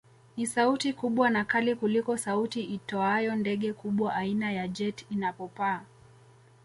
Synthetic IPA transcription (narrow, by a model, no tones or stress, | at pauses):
nisautikuɓwanakalikulikɔsautiʔitɔajɔndɛɠɛkuɓwaʔainajad͡ʒɛtinapɔpaː